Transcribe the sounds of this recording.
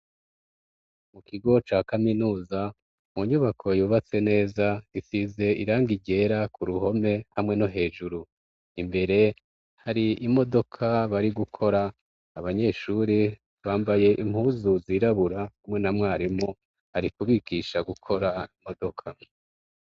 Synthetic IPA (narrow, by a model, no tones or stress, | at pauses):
mukiɡo̞t͡ʃaːkaminuːza | muɲuβakʰo̞juːβat͡se̞ne̞ːzaifize̞ḭɾaːŋɡiɟe̞ːɾakuɾuho̞me̞hamŋe̞no̞ɦe̞ːʒuɾu | imbe̞ɾe̞ | haɾiimo̞do̞kʰaβaɾiɡukʰo̞ɾaː | βaɲe̞ːʃuɾi | βaːmbaje̞ʔim̥huːzuziɾaβuɾahamŋe̞namŋaːɾimo | haɾikuβiɡiʃaɡukʰo̞ɾaimo̞do̞kʰa